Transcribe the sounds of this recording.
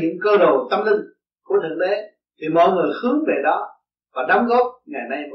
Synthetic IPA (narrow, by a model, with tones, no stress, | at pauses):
ɲɨ̰˧˥ŋkəː˧ɗo˨˩t̪ə˧mlï˧ŋ | ku˧˩ət̪ʰɨ̰˨˧˩ɗe˨˦ | t̪ʰi˨˩mɔ̰˧˨jŋɨ˨˩əjxɨ˨˦əŋve˨˩ɗɔ˨˦ | vaː˨˩ɗa˨˦wŋ͡mɣɔ˦˥p̚ŋa˨˩jna˧j